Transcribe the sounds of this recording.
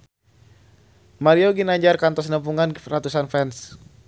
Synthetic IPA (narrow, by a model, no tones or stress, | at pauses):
maɾioɡinaɲd͡ʒarkant̪ɔs̬nəmp̬uŋanrat̪usanfɛns